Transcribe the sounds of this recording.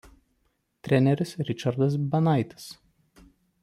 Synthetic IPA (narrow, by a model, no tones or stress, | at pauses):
t̪ʲɾʲɛnʲɛɾʲɪsɾʲɪt͡ʃɐɾd̪ɐs̬bʲɐnɑɪt̪ʲɪ̥s